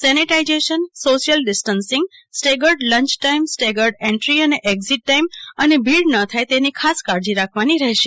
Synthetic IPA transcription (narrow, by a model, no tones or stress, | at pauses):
sɛniʈaid͡ʒeʃənsoʃijəlɖɪsʈənsɪ̃ŋɡ̚sʈeɡəɾɖlə̃ɲt͡ʃʈaimsʈeɡəɾɖẽɳʈɾiəneʔeɡziʈːajmənebilɖnət̪ʰajt̪enikʰaskaɾd͡ʒiɾakʰʋaniɾɛɦʃe